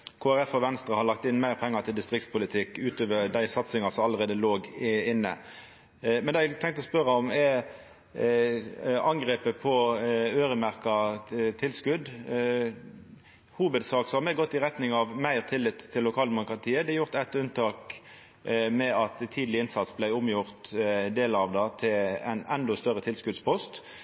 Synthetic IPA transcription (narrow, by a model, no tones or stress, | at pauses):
kʰoːæɾɛfɔʋɛnst̪ɾəhɑɾlɑk̚t̪ɪnːmæɪɾʁpʰɛŋːət̪ʰɪld̪ɪst̪ʁɪk̚tspʰʊlɪt̪ʰɪkːʉːt̪øːʋəd̪æɪsɑt̪sɪŋɑsɔmɑlːəɾʁeːd̪əloːɡɪnːə̰ | mɛnd̪ɛææt̪ʰɛŋk̚t̪ɔspœɾəɔmɛ | ɑŋɡɾeːpəpʰɔøːɾəmæɾkɑt̪ʰɪlskʉd̪ | huːʋəd̪sɑːksɔhɑmɛɡɔt̪ːɪʁɛt̪nɪŋɑʋmæɪʁt̪ʰɪlːɪt̪ʰːɪlːʊkʰɑːld̪ɛmʊkʁɑt̪ʰiːəd̪ɛjʊʁt̪ɛt̪ːʉnt̪ʰɑːk | mɛɑt̪t̪ʰːiːd̪l̩ɪɪnsɑt̪sblæɪʊmjʊʁt̪d̪eːlɑʋd̪ɑt̪ʰɪlɛ̰nɛnd̪ɔst̪œʁət̪ʰɪlskʉd̪spʰɔst̪